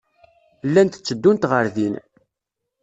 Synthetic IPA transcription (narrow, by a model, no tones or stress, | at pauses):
lːænt̪ə̥t͡sːəd̪ːunt̪ʁəɾðin